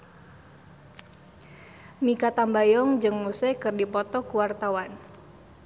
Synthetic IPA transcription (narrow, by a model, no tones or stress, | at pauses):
mikat̪ambajɔŋd͡ʒɨŋmusekɨrdipɔt̪ɔkuwart̪awan